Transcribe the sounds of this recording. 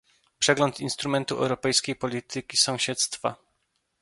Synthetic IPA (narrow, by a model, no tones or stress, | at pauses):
pʂɛɡlɔnt̪inst̪ɾumɛnt̪uɛ̰wɾɔpɛjskʲejpɔlʲit̪ɘkʲisɔ̃w̃ɕɛt̪st̪fa̰